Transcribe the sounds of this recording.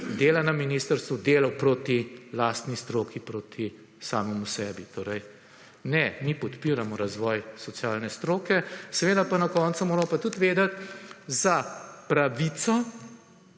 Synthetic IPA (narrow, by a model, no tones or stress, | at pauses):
d̪eːlanaminist̪əɾst̪ʋud̪eːlɐwpɾoːt̪ilaːst̪nist̪ɾoːkipɾoːt̪ʰi | saːmɔmusɛbit̪oːɾɛj | nɛmipɔt̪piːɾamɔɾazʋɔːjsɔt̪sjaːlnɛst̪ɾoːkɛsɛʋeːd̪apanɐkɔnt̪sumoːɾmɔpat̪ut̪ʋeːd̪ɐt̪zapɾaʋit̪sɔ